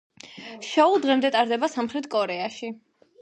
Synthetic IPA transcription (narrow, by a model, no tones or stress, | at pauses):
ʃɔulˠd̪ʁɛmd̪ɛt̪ʼaɾd̪ɛbasamχɾɛt̪ʰkʼɔɾɛaʃi